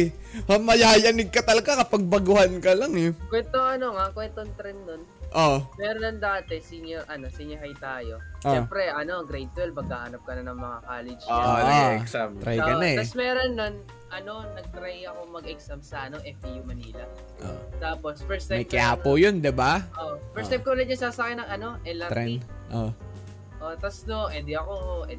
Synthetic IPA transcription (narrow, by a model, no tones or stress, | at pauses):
mɐmɐjaːjɐnɪɡ̚kːɐt̪ɐlɐɡakɐpɐɡ̚bɐɡʊhankɐlaŋɛkwɛnt̪oŋɐno̞ŋakwɛnt̪oŋt̪ɾɛnːonʔomɛːɾonɐnd̪aːt̪ɛsɪnʊʔɐno̞sɪɲɐɦajt̪aːjo̞oɛpɾɛʔɐno̞ɡɾejt̪̚ːwɛlpɐɡ̚a̰ːhanɐp̚kɐnɐnɐŋmɐŋakaːlɪd͡ʒoʔoɛksamt̪ɾajkɐnɐɛt̪ɐsmɛːɾonːɐn | ʔɐno̞nɐɡ̚t̪ɾajɐkoŋmɐɡʔɛksɐmsɐʔɐno̞ʔɛft̪ijumɐniːlɐ | ʔo̰t̪aːpo̞sfɛɹst̪ajmɐjkɪʔaːpojond̪ɪbaʔoʔfɛɹst̪ajm̚kolɐd̪̚ɲɐsaːsɐkɛnɐŋɐno̞ʔɛlɐɾɛnʔo | ʔot̪ɐsnoʔɛd̪ɪɐkoʔɛ